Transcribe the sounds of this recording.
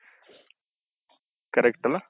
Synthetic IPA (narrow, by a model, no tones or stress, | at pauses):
kɐɾɛkʈɐla